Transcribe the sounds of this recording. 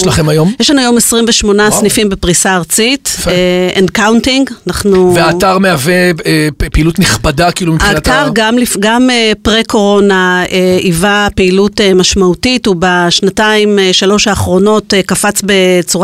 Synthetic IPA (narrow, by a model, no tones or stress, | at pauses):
ʃlaχemajomjeʃlanuajo̞mesʁimveʃmo̞nasnifimbepʁisaːʁt͡sit | endkawntiŋɡanaχnuveaːtaʁmeavepeilutniχbadakilumimaːataʁɡamlifɡamepʁeko̞ʁo̞naeivapeilutemaʃmautitubaʃnataimeʃalo̞ʃaːχʁo̞no̞tkafat͡sbe̞t͡suʁa